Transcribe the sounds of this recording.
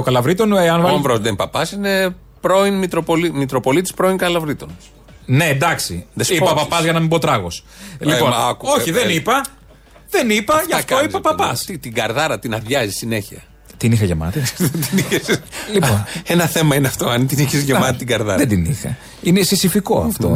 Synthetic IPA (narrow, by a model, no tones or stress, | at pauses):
okɐlɐvɾit̪oneɐnvɐvɾozðenpɐpɐsine̞ | pɾo̞inmit̪ɾo̞po̞limit̪ɾo̞po̞lit̪i̥spɾoiŋkɐlɐvɾit̪on | nend̪ɐksḭðesipɐpɐpɐzʝɐnɐmibot̪ɾɐɣos | lipomɐkuoçiðenipɐ | ðenipɐʝɐft̪oipɐpɐpɐst̪it̪iŋɡɐɾðɐɾɐt̪inɐðʝɐzisine̞çiɐ | t̪inixɐʝemɐ̰t̪it̪iniçeslioenɐθe̞mɐineɐft̪o̞ɐnt̪iniçezʝemɐt̪it̪iɡɐɾðɐɾɐðed̪inixɐ̰ | inesisifiko̞̰ɐ̰ft̪o